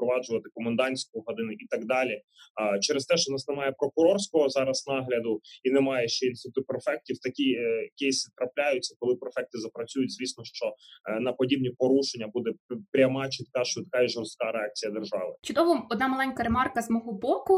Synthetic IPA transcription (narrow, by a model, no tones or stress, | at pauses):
pɾɔʋɑd͡ʒʊʋɐt̪ɪkɔmɐnd̪ɑnʲsʲkʊjɦɐd̪ɪnɪʔit̪ɐɡd̪ɑlʲi | t͡ʃɛɾɪst̪ɛʃt͡ʃɔnɑsnemɑjɛpɾɔkʊɾɔrsʲkɔɦɔzɑɾɐsnɑɦlʲɐd̪ʊinɛmɑjɛʃt͡ʃɛinsʊt̪ɪpɾefɛk̚tʲiwt̪ɐkʲikʲejsʲit̪ɾɐplʲajʊt͡sʲːɐkɔlˠɪpɾefɛk̚t̪ɪzɐpɾɐt͡sʲujʊtʲzʲʋʲisʲnɔʃt͡ʃɔnɐpɔdʲib̚nʲipɔɾuʃenʲːɐbud̪ɛpɾʲɐmɑt͡ʃit̪kɑʃt̪ɐkaiʒɔrst̪̚kɑɾeɑk̚t͡sʲijɐd̪erʒɑ̰ʋɪt͡ʃʊd̪ɔʋɔɔd̪nɑmɐlˠɛnʲkɐɾemɑrkɐzmɔɦɔbɔkʊ